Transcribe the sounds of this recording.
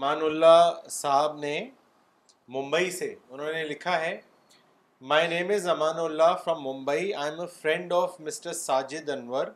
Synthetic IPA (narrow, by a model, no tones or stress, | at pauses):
maːnʊlːasaɦɪb̚ne | mʊ̃mbəiseʊnɦənelɪkʰaɦɛ | maːɪnẽːmɪzːɐmaːnʊlːafɾɐ̃mːʊ̃mbəiãːɪ̃məfɾɛ̃ɳɖɔːfmɪsʈəɾsaːd͡ʒɪd̪ɐnʋəɾ